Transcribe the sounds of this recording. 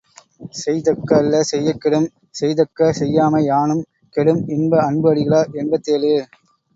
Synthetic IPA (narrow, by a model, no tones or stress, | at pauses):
sɛjt̪ɐkːɐːlːɐsɛjːɐkːɛɽɯm | sɛjt̪ɐkːɐsɛjːaːmɐɪaːnɯm | kɛɽɯmɪnbɐɐɳbɯɐɽɪɣɐɭaːʔɛnbɐt̪ːeːlɯ